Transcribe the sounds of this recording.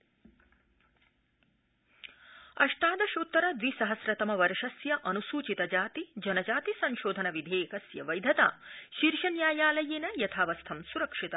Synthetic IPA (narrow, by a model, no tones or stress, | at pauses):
ɐʂʈ̪aːd̪ɐʃut̪ːɐɾɐd̪ʋisɐɦɐsɾɐt̪ɐmɐʋɐɾʂɐsjɐʔɐnusuːt͡ʃit̪ɐd͡ʒaːt̪id͡ʒɐnɐd͡ʒaːt̪isɐnʃoːd̪ʱɐnɐʋid̪ʱeːkɐsjɐʋɐjd̪ʱɐt̪a̰ːʃiɾʃɐnjaːjaːlɐjeːnɐjɐt̪ʰaːʋɐst̪ʰɐmsuɾɐkʂit̪ɐ